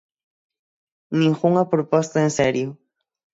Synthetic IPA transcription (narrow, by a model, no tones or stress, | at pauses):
nĩŋxuŋapɾopɔst̪aenseɾjʊ